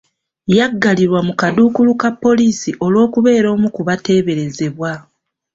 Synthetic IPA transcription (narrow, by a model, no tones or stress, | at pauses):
jaɡːaliɾwamukaduːkulukapːo̞liːsiʔo̞lwo̞ːkuβe̞ːɾo̞ːmukuβate̞ːβe̞ɾe̞ze̞βwa